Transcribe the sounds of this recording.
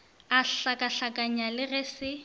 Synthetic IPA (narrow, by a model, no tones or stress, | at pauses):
aɬakʼaɬakʼaɲalɪɣɛsɪ